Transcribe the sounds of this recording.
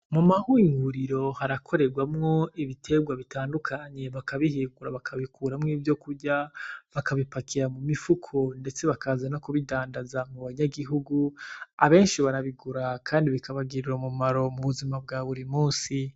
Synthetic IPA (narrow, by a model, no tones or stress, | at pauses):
mumahuːŋɡuɾiɾo̞haɾakʰo̞ɾe̞ɾɡwamŋo̞iβitʰe̞ɡwaβitaːndukʰaɲe̞βakaβihiːŋɡuɾaβakʰaβikuːɾamŋiːvjo̞kuɾɟaβakaβipakʰiɾamumifukʰo̞nde̞t͡se̞βakʰazanokuβidaːndazamuβaɲaɡiɦuɡuaβe̞ːnʃiβaɾaβiɡuɾakʰaːndiβikaβaɡiɾiɾomumaɾo̞muβuzimab̚ɡaːβuɾimuːnsi